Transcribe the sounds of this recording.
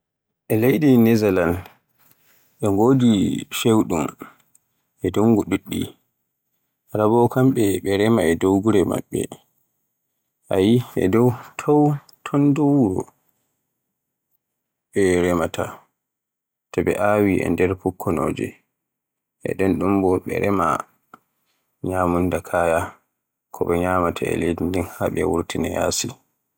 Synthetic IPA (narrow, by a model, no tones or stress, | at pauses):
ʔɛlejɗinɛzalan | ɗɛŋɡoːdifewɗum | ʔɛduŋɡuɗuɗːḭ | ɾabɔkamɓɛɓɛɾɛmaɛdowɡuɾɛma̰ɓːɛ̰ | ʔajiɛ̰dɔwtʰɔw | tʰɔndɔwɾɔ̰ | ɓɛɾɛmatʰa | tabɛ̰ʔawiʔɛ̰ndɛɾpukʰːɔno̰ːd͡ʒɛ̰ | ʔɛ̰ɗɛnɗumbɔɓɛ̰ɾɛma̰ | ɲaːmundakʰaja | kʰɔɓɛɲaːmatʰaɛ̰ledindinhaɓɛ̰wuɾtinɛja̰ːsi